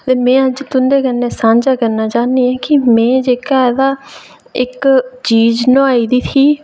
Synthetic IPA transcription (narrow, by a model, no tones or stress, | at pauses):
t̪eːmɛ̃ːəd͡ʒt̪ʊnd̪eːkənːeːsãːɲd͡ʒaːkəɾnaːt͡ʃaːniːɛːkɪmɛ̃ːd͡ʒeːkaːɛd̪aː | ɪkt͡ʃiːd͡ʒnõːaːiːd̪iːt̪ʰiː